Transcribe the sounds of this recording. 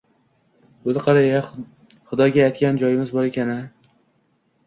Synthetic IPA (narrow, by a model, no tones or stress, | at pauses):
olɪqʰɑɾaja | χʊd̪ɒɡʲaːjt̪kʲand͡ʒɒjɪmɪzbɒɾe̞kʲʰanɪ